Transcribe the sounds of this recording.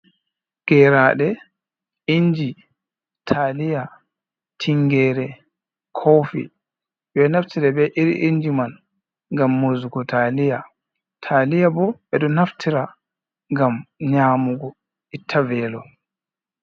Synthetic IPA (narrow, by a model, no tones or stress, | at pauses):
ɡ̥ɛːɾaɗɛ | iɲd͡ʒi | tʰaːlija | tʰiŋɡɛːɾɛ | kʰofḭ | ɓɛnaftʰiɾabɛʔiɾʔiɲd͡ʒiman | ŋɡamːozuɡɔtʰalija | tʰalijabɔɓɛɗɔnaftʰiɾa | ŋɡamɲaːmuɡɔ | itʰːavɛːlɔ